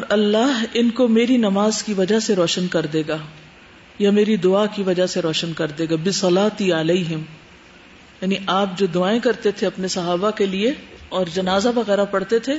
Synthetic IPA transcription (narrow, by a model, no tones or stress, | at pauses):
ɔːɾɐlːaːɦɪnkomeːɾinɐmaːzkiʋɐd͡ʒaɦseɾɔːʃənkɐɾd̪eːɡaː | jameːɾid̪ʊaːkiʋɐd͡ʒaseɾɔːʃənkɐɾd̪eːɡabɪsɐlaːt̪iɐlɐiɦɪm | jaːniʔaːp̚d͡ʒoːd̪ʊaːẽkɐɾt̪et̪ʰeɐpnesɐɦaːbakelieɔːɾd͡ʒɐnaːzaʋɐɣɛːɾapɐɽt̪et̪ʰeː